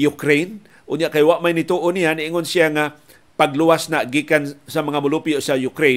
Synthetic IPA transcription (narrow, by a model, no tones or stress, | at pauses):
jʊkɾejn | ʔʊnjaʔkajwaʔmajnɪt̪uːʔonijanɪʔɪŋonsɪaŋa | paɡluwasnaɡikansamɐŋamʊlupɪjoʔsajʊkɾe